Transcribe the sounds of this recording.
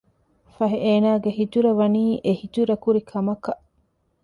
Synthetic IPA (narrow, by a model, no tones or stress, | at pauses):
fɐɦeʔeːnaːɡeɦit̪uɾɐʋɐniːʔehit̪uɾɐkuɾikʰɐmɐkɐʔ